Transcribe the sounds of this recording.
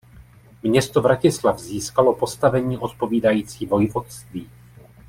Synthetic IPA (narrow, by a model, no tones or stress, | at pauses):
mɲɛst̪ovɾacɪslavziːskalo̞po̞st̪avɛɲiːʔo̞t̪po̞viːdajiːt͡siːvo̞jvot̪st̪viː